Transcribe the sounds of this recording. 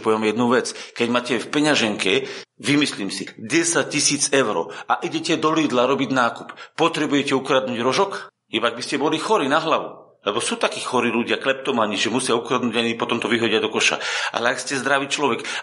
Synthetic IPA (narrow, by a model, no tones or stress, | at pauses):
pɔʋɛmjɛd̪nuʋɛt͡skɛɟmaːcɛfpɛɲaʒɛŋkɛʋimisliːmsiɟɛsac̚cːisiːt͡sɛʊɾɔ̰ːaʔiɟɛcɛd̪ɔliːd̪laɾɔbiɟnaːkuppːɔt̪ɾɛbujɛcɛukɾad̪nuːɟɾɔʒɔk | ibaɡ̚biscɛbɔlixɔɾiːnaɦlaʋṵ | lɛbɔsuːt̪akiːxɔɾiːluɟɪaklɛp̚t̪ɔmaɲiʒɛmusɪaukɾad̪nuːɟaɲipɔt̪ɔmt̪ɔʋiɦɔɟɪad̪ɔkɔʃa̰ʔa̰lɛakscɛzd̪ɾaʋiːt͡ʃlɔʋɛk